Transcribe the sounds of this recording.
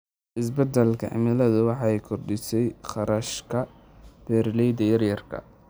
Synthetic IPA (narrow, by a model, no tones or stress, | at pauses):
ʔɪsbɛd̪ɛlkʰɐ̰ʕɪ̰mɪlɐðʊwɑħɑːɛjkʰɔrdɪsɛjχɑɾɐʃkʰɐ | b̥ɛːɾlɛjd̪ɐjɐrjɐrkʰɐ̰